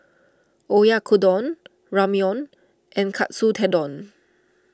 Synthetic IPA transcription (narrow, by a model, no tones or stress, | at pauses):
ʔojakʰudɔ̃n | ɹamjɔ̃n | ʔɛ̃nkʰa̰t̚sutʰɛdɔ̃n